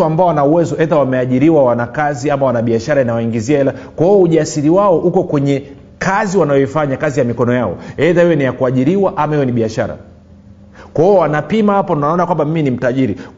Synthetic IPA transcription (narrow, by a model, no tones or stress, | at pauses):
uambaɔanauwɛzɔɛðawamɛaʄiɾiwawanakaziamawanaɓiaʃaɾainawaiŋɡiziaɛla | kwahiɔuʄasiɾiwaɔʔukɔkwɛɲɛ | kaziwanaɔifaɲakazijamikɔnɔjaɔ̰ɛðahiwɛnijakuaʄiɾiwaʔamahiwɛniɓiaʃa̰ɾa̰ | kwahiɔwanapimahapɔnaɔnakwambamiminim̩taʄiɾi